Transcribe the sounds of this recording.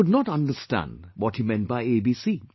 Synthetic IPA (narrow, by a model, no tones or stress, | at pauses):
ʊdnɔtʌ̃ndəstæ̰̃ndwɔthimɛ̃nt̚baɪebiːsi